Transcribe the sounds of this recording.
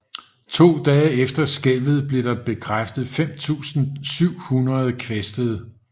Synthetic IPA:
t͡sʰo̝̰ːd̥ɛːefd̥ɐsɡ̥elʋð̞̩ˠb̥le̝d̥ɑ̈b̥e̝kʰʁafd̥ð̩ˠfem̰t͡sʰṵːsn̩syʊ̰hunɐð̞ˠəkʰʋesd̥əð̞ˠ

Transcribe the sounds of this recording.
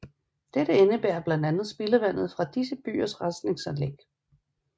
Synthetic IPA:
d̥eɾ̥əenəb̥æːɐb̥lænd̥ænð̩ˠsb̥e̝ləʋæn̰ð̞̩ˠfʁɑ̈d̥isəb̥y̰ːɐsʁasd̥ne̝ŋsænleɡ̥

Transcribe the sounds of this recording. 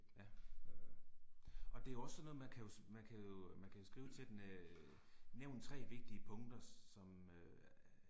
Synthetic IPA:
jæ | ɒ̽d̥e̝æjoɒ̽ssɒnːɔːð̩ˠmænkʰæjo̝smænkʰæjo̝mænkʰæjo̝sɡ̥ʁḭːʊət͡sʰe̝ld̥en | neʊ̰nt͡sʰʁɛ̰ːʋe̝ɡ̥̚d̥iəpʰɔ̽ŋd̥ɐsɒ̽mø

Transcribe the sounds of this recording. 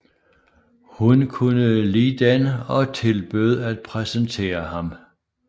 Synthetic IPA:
hunkʰunəliːd̥ænəɒ̽t͡sʰe̝lb̥øð̞ˠæd̥̚pʰʁɛsənt͡sʰe̝̰ːɐhɑ̈m

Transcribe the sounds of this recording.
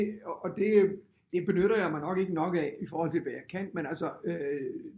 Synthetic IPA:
d̥e̝ | d̥e̝b̥e̝nøɾ̥ɐjɑ̈ɪmɑɪnɒ̽ɡ̥e̝ɡ̥ənɒ̽ɡ̥ɛifɒːhɒl̰t͡sʰe̝ʋæjaɪkʰæn̰menælsɒø

